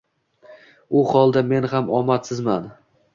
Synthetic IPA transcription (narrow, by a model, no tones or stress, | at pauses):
ʊχɒlˠd̪ame̞nhamɒmat̪sɪzman